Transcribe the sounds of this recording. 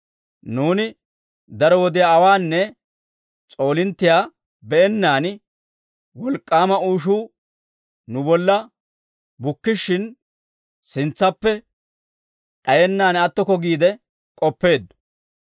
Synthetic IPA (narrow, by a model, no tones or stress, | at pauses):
nuːnɪ | d̪ɐɾɔwɔd̪ɪjaːɐwaːnːɛ | t͡sʼo̞ːlɪnt̪ːɪjaː | bɛɛnːaːn | wɔlkʼːaːmɐuːʃuː | nʊbɔlːɐ | bʊkːɪʃːɪn | sɪnt͡sːɐpːɛ | ᶑɐjɛnːaːnɐt̪ːɔkɔɡiːd̪ɛ | kʼɔpːe̞ːd̪ːʊ̥